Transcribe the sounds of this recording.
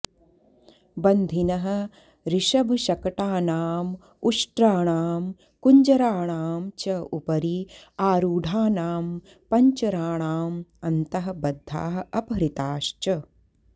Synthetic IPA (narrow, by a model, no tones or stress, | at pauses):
bɐnd̪ʱinɐɦɐ̆ | ɾiʃɐbʱʃɐkɐʈaːnaːm | uʂʈɾaːɳaːm | kuɲd͡ʒɐɾaːɳ̃aːmt͡ʃɐupɐɾiaːɾuːɖʱaːnaːm | pɐɲt͡ʃɐɾaːɳaːmɐnt̪ɐɦɐ̆bɐd̪ʱːa̰ːɦɐɐpɐɾit̪aːʃt͡ʃɐ